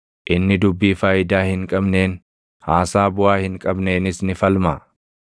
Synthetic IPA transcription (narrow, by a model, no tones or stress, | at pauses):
ʔɪnːɪd̪ʊbːiːfaːjɪd̪aːhɪŋkʼɐbne̞ːn | haːsaːbʊʔaːhɪŋkʼɐbne̞ːnɪsnɪfɐlmaː